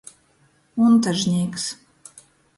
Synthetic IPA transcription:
unt̪əʒnʲeks

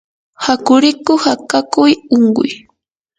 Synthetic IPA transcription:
hakʊɾɪkʊhakakʊjoŋɢʊ̰j

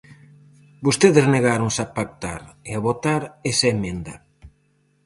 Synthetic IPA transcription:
bost̪eðezneɣaɾoŋsapak̚t̪a̰ɾeaβot̪aɾesaemẽnd̪ɐ̰

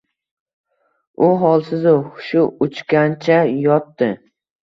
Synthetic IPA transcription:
ʊɦɒlˠsɪzʊʊʃʊʊt͡ʃkʲant͡ʃʰajɒt̪ːɪ

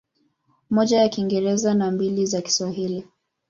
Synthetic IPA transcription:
mɔʄajakiŋɡɛɾɛzanambilizaki̥swaɦili

